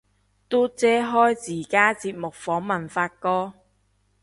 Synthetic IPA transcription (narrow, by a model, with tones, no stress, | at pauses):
t̪o˥t͡sɛː˥ɦɔː˥jt͡siː˨˩kaː˥t͡siː˧p̚mʊ˨k̚fɔː˨˥ŋmɐ˨˩nfaː˧t̚kɔː˥